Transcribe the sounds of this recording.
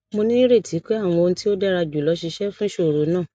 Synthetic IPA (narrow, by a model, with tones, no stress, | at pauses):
mo˧nĩ˦ɾe˦˨tʰi˨˦k͡pe˦a˦˨w̃ɔ̃˧o˧nũ˧˦ti˦o˦dɛ˦ɾa˧d͡ʒu˨lɔ˨˧˦ʃi˧ʃɛ˦fũ˦ʃo˦˨ɾo˨˦nãː˦˨